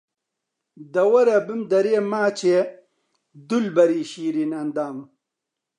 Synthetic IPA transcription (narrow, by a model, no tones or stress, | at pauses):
d̪ɐwɐɾɐbimd̪ɐɾeːmaːt͡ɕʰe | d̪ulbɐɾiːɕiːɾinɐnd̪aːm